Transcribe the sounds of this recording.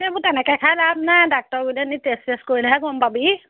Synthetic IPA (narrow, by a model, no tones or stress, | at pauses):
ɛmʊtɛnɛkɛkʰajlabnadak̚tɔɹɡulɛnitesteskoɹilaɦɛɡɔmpabi